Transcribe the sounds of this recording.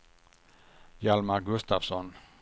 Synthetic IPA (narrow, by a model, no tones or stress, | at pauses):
jalmaɡɵst̪avsɔn